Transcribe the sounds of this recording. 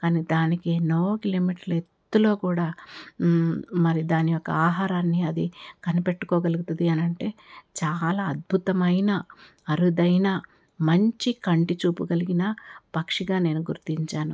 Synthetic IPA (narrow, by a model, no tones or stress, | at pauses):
kaːniːd̪aːnikenoːkiloːmiːʈɐɾlet̪ːulo̞ːkuːɽaː | mɐɾid̪aːnijɔkːɐ̰aːɦaːɾaːnːiɐd̪ikɐnipeʈːu̥kɔːɡɐluɡut̪ud̪iɐnɐɳʈe̞ːt͡ʃaːlaːɐd̪̚bʱut̪ɐmɐjna | ɐɾud̪ɐjnaː | mɐɲt͡ʃikɐɳʈit͡ʃuːpuɡɐliɡinɐpɐkʂiɡaːne̞ːnuɡuɾt̪iɲt͡ʃaːnu